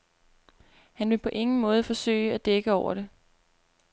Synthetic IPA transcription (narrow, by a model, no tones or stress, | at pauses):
hænʋe̝lpʰɒ̽ʔe̝ŋn̩mɔ̽ːð̞ˠfɒ̽sø̰ɪæd̥eɡ̥əɒʊ̰ɐɾ̥e̝